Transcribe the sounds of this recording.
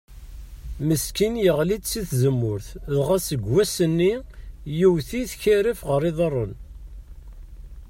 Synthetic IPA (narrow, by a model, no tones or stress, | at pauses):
məskinjəʁlid̪siθzəmːʊɾθðʁasəɡwæsənːijuwθiθçæɾifʁəɾɪðˤərˤːən